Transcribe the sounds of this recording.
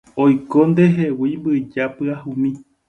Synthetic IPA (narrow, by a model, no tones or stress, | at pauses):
ojkond̪eɦewimbɨd͡ʒapɨahũmĩ